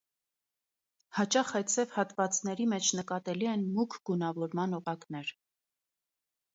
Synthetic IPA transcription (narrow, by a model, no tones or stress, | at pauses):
hɑt͡ʃɑχɑt͡sʰɛvhɑt̪vɑt͡snɛɾimɛt͡ʃʰnəkɑt̪ɛliɛnmukʰɡunɑvɔɾmɑnɔʁɑknɛɾ